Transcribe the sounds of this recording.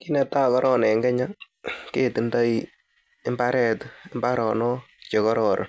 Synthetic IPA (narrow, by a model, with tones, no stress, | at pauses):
ki˦nɛ˨ta˦kɔ˦ɾɔː˦˨nɛ˨ŋɡɛ˦ɲa˦ | ke˦˨ti˨nda˦i | ɪ˦mba˦ɾɛ˦tɪ˦mba˦ɾɔː˨nɔ˦ | t͡ʃe˨kɔ˦ɾɔː˨ɾʔ